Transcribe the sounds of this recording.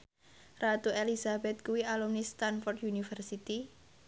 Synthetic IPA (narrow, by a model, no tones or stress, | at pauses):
rat̪uelisabɛt̪̚kuwialumnist̪anfɔrt̪junifərsit̪i